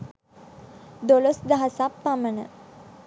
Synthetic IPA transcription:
d̪olosd̪aɦasapːamənə

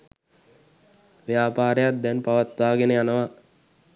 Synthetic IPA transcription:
ʋejaːpaːɾejat̪̚d̪ɛnpaʋat̪ʋaːɡenəjanəʋa

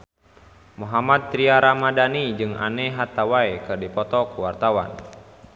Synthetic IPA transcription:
muɦamat̪̚ːɾiaɾamadanid͡ʒɨŋa̰nɛɦat̪awaɛkɨrdipɔt̪ɔkuwart̪awa̰n

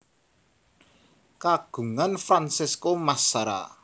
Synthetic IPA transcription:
kaɡ̥ṳŋanfɾansɪskomasaɾa̰

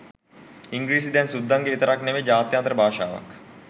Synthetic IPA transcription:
iŋɡɾiːs̬id̪ɛnsud̪ʱːaŋɡeʋit̪ɐɾaknemed͡ʒaːt̪jant̪ɾəbʱaːʃaːʋa̰k

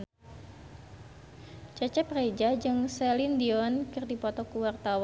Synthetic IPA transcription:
t͡ʃat͡ʃɛpred͡ʒad͡ʒɨŋsɛlindiɔnkɨrdipɔt̪ɔkuwart̪aw

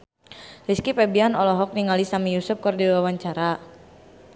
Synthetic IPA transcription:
liskipɛbianɔlɔɦɔk̚niŋalisamijusup̚kərdiwawaɲt͡ʃaɾa

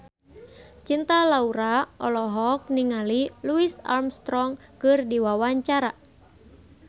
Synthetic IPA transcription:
t͡ʃint̪alauɾaʔɔlɔɦɔk̚niŋaliluisa̰rmst̪ɾɔŋkɨrdiwawaɲt͡ʃaɾa

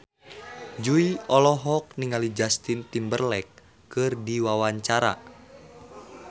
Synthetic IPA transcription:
d͡ʒuiɔlɔɦɔk̚niŋalid͡ʒast̪int̪imbərlɛkː | ɨrdiwawaɲt͡ʃaɾa̰

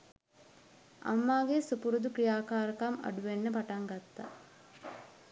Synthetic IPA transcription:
a̰mːaːɡesupuɾud̪ukɾijaːkaːɾəkama̰ɖuʋenːəpaʈaŋɡat̪ːa̰

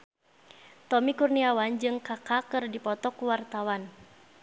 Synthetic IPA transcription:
t̪ɔmikurniawand͡ʒɨŋkakakɨrdipɔt̪ɔkuwart̪awan

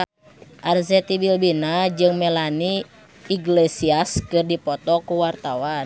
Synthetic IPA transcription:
ʔarzɛt̪ibilbinad͡ʒɨŋmɛlaniː | ɡlɛsiaskɨrdipɔt̪ɔkuwart̪awa

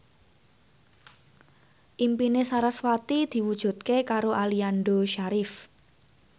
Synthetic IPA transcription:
ʔimpinesaɾaswat̪id̪̥i̤wud̥ʒ̥ṳt̪̚kekaɾoʔalianɖoʃaɾɪf

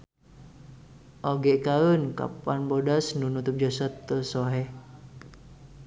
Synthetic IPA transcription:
ʔɔɡɛʔkaənka̰panbɔdasnunut̪ʊp̚d͡ʒasat̪ːəsɔɦɛ

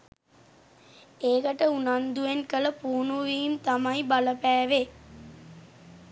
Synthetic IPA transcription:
eːkɐʈəunand̪uʋenkələpuːnuʋiimt̪amɐjbaləpæːʋe

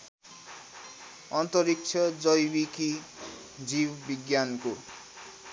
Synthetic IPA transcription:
ʌnt̪ʌɾik̚t͡sʰʌd͡zʌjbiki | d͡zibbiɡjanko

